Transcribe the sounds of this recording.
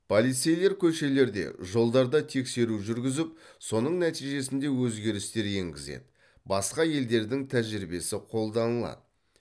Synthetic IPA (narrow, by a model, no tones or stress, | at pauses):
pʰolˠijt̪se̞jle̞ɾkʲʰɵʃe̞le̞ɾd̪e̞̰ʒo̞lˠd̪ɑɾd̪ɑt̪ʰe̞kse̞ɾuʒʏɾɡʲɪzɪp̚so̞nəɴnæt̪ijʒe̞sɪnd̪e̞wɵzɡʲe̞ɾɪst̪e̞ɾje̞ŋɡʲɪze̞̰d̪ɪ | bɑsqɑje̞ld̪e̞ɾd̪ɪŋt̪ʰæʒɾibe̞sɪqʰo̞lˠd̪ɑnəlˠɑ̰d̪ə